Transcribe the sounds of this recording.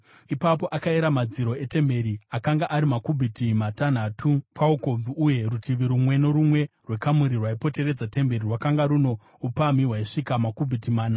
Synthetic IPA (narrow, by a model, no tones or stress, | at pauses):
ipapo̞ʔakaiɾamad͡ziɾo̞e̞te̞mbe̞ɾiakaŋɡaʔaɾimakubʱitimatan̤atʰupʰauko̞b͡vuːje̞rutiʋiɾumwe̞no̞ɾumwe̞rwe̞kamuɾirwaipo̞te̞ɾe̞d͡zate̞mbe̞rirwakaŋɡaɾuno̞ | upamiɦwaiʂikamakubʱitimaːna